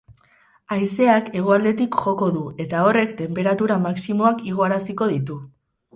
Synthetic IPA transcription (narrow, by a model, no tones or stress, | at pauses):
ajse̞ake̞ɣ̞oald̪e̞t̪ikʝo̞ko̞ðue̞t̪ao̞re̞kt̪e̞mpe̞ɾat̪uɾamaksimo̞akiɣ̞o̞aɾasiko̞ð̞it̪u